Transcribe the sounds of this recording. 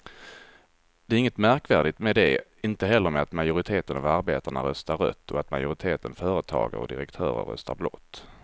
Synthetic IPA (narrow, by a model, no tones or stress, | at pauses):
d̪̥ɛæɾɪŋːət̪mæɾkvæːɖɪt̪mɛd̪ɛɪnt̪əɦɛlːəɾmɛat̪majʊɾɪt̪ʰeːt̪ənavaɾbeːt̪aɳa̰ɾœst̪aɾːœ̰t̪ʰːɔat̪majʊɾɪt̪ʰeːt̪ənfœːɾət̪ʰɑ̰ːɡə̰ɾɔ̰d̪ɪ̰ɾɛkt̪ʰœ̰ːɾə̰ɾːœ̰st̪ʰaɾblɔ̰t̪ː